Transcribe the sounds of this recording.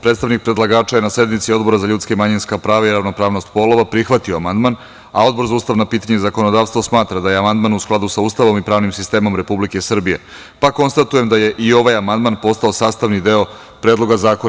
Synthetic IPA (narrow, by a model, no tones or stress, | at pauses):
pɾet̪st̪aʋnik̚pɾe̞d̪lˠaɡaːt͡ʃajenase̞d̪mit̪sio̞d̪bo̞ɾazaʎut̪skamaɲinskapɾaːʋaiɾaʋno̞pɾaːʋno̞st̪po̞lˠo̞ʋapɾixʋat̪ioamand̪man | ao̞d̪̚bo̞ɾzauːst̪aʋnapiːt̪aɲezako̞nod̪aːʋst̪ʋo̞smaːt̪ɾad̪ajeamand̪manusklˠad̪usauːst̪aʋo̞mipɾaːʋnimsist̪e̞ːmo̞mɾe̞publike̞sr̩bije | pako̞nst̪at̪uje̞md̪aje̞ʔio̞ʋajamand̪manpo̞st̪ao̞saːst̪aʋnid̪e̞o̞ | pɾed̪lˠo̞ɡazaːko